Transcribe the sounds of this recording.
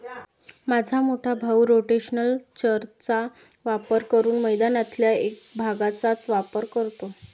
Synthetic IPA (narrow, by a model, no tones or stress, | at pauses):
mad͡zʱamoʈʰabʱawɾoʈeɕənəlt͡ɕəɾt͡sa | ʋapəɾkəɾuːnməjd̪anat̪ljaek̚bʱaɡat͡sat͡sʋapəɾkəɾt̪o